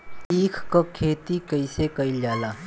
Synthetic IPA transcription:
iːkʰkokʰeːt̪ikəɪsekɐɪld͡ʒaːlaː

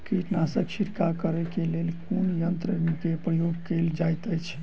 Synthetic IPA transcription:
kiʈnasət͡ʃʰiɾkakəɾɛkelelkonjənt̪ɾəkepɾəjoɡkeld͡ʒajt̪əjt͡ʃʰ

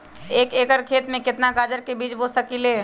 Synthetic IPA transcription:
eːkeːkəɾkʰeːt̪mẽkɪt̪nakaːd͡ʒəɾkebiːt͡ʃboːssəkileː

